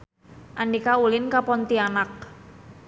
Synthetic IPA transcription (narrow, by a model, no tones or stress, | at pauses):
ʔandikaulɪnkapɔnt̪ianak̚